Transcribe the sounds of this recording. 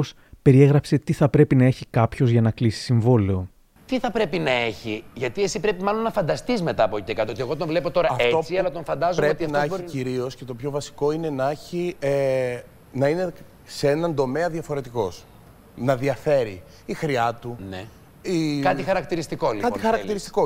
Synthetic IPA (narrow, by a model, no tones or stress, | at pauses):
os | pe̞ɾie̞ɣɾɐpse̞t̪iθɐpɾe̞pinɐe̞çikɐpço̞zʝɐnɐklisi̥siɱvo̞leo | t̪iθɐpɾe̞pinɐe̞çiʝɐt̪ie̞sipɾe̞pimɐlo̞nːɐfɐnd̪ɐst̪izme̞t̪ɐːpociekɐt̪oot̪ieɣo̞t̪̬ovle̞po̞t̪o̞ɾɐʔe̞ot͡siɐlɐt̪o̞ɱfɐnd̪ɐzoɾeot̪iɐfniɾio̞sce̞t̪o̞pçovɐsi̥ko̞ine̞neçie | nɐine̞ | seenɐnd̪o̞me̞ɐðiɐfo̞ɾe̞t̪iko̞s | nɐðiɐfe̞ɾḭː | xɾiɐt̪une | ikɐt̪ixɐɾɐk̚t̪iɾist̪ikolikɐt̪ixɐɾɐk̪iɾist̪i̥ko